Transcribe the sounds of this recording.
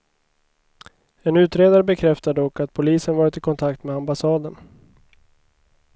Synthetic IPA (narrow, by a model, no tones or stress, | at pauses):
ɛnʉ̟ːt̪ɾeːd̪aɾəbɛkʰɾɛft̪ad̪əɔkːat̪̚pʰʊliːsənvɑːɾɪt̪ɪkʰɔnt̪ʰakt̪meambasɑːd̪ən